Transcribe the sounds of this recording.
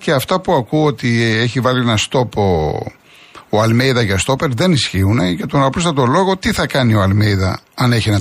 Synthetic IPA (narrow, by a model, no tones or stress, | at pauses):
ce̞ɐft̪ɐpuɐkuo̞t̪ie̞çivɐlienɐst̪o̞po | oɐlmejðɐʝɐst̪o̞pe̞ɾðe̞nisçiune̞ʝɐt̪onɐpus̬t̪ɐt̪o̞lo̞ɣo̞t̪iθɐkɐnio̞ɐlmejðɐ̰ɐne̞çenɐ